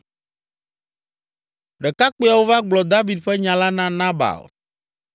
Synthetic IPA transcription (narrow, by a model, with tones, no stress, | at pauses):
ɖɛ˨ka˦k͡po˦a˨wo˦va˦ɡ͡blɔ˨d̪a˦vi˨d̪ɸɛ˦ɲã˨la˦nã˦nã˦ba̰˨l